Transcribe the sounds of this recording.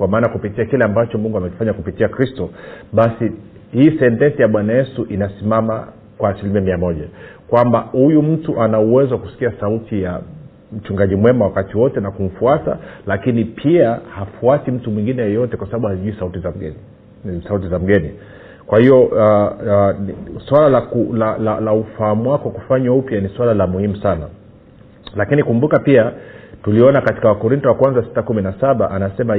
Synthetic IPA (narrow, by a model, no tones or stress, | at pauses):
kwamaːnajakupitiakilɛambat͡ʃɔmuŋɡuamɛki̥faɲakupitiakɾistɔɓasi | hiːsɛntɛnsijaɓwanajɛsuʔinasimama̰ | kwaːsilimiamiamɔʄakwambahujum̩tuʔanauwɛzɔwaku̥si̥kiasautʰija | m̩t͡ʃuŋɡaʄimwɛmawakatiwɔtɛnakum̩fuata̰lakinipʰiahafuasim̩tumwiŋɡinɛjɔjɔtɛkwasabaɓuhaziʄuisautizaɛ | sautizam̩ɡɛni | kwahiɔa | swalalakulalalaufahamuwakwaku̥faɲwaupjaniswalalamuhimusana | lakinikumbukapiatuliɔnakati̥kawakɔɾintɔwakwanzasi̥takuminasaɓaʔanasɛma